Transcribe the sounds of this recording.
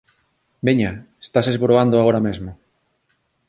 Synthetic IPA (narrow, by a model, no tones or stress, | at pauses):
beɲae̥st̪asezβoɾoand̪oaoɾɐmezmʊ